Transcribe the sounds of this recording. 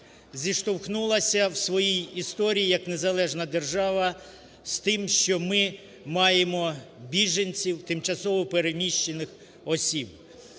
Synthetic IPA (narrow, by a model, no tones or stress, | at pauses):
zʲiʃt̪ɔwxnulˠɐsʲɐwsʋɔjijist̪ɔɾʲijijɐknezɐlˠɛʒnɐd̪erʒɑʋɐ | st̪ɪmʃt͡ʃɔmɪ | mɑjemɔbʲiʒɐnʲt͡sʲiwt̪ɪmt͡ʃɐsɔʋɔpeɾenʲiʃt͡ʃːenɪx | ɔsʲib̚